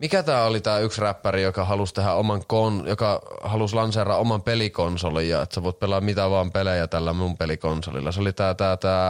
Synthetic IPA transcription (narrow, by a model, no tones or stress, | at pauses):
mikæt̪æːolit̪æːyksræpːærijokɑɦɑlust̪eɦæomɑŋkonjokɑhɑluslɑnserɑʔomɑmpelikonsolijjɑ̰ḛt̪sæʋoˑit̪̚pelːˑɑmmit̪æʋɑːmpelejæt̪ælːæmumpelikonso̰lḭlːɑseolit̪æːt̪æːt̪æː